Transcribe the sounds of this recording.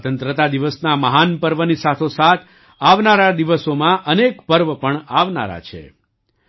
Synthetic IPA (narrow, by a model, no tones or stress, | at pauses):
t̪ənt̪ɾət̪ad̪iʋəsnaməɦanpəɾʋənisat̪ʰosat̪ʰ | aʋnaɾad̪iʋəsomãʔənekpəɾʋəpəɳaʋna̰ɾa̰t͡ʃʰḛ